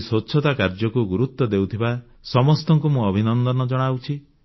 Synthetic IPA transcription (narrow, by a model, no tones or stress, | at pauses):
sotːʃʰɔt̪akaɾd͡ʒɔkuɡuɾut̪ːɔd̪ewt̪ʰiba | sɔmɔst̪ɔŋkumũɔbʱinɔnd̪ɔnɔd͡ʒɔɽ̃awt͡ʃʰi